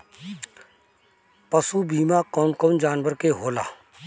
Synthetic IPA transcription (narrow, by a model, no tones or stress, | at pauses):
pəsuːbiːmaːkɔːnkɔːnd͡ʒaːnʋəɾkeɦoːla̰ː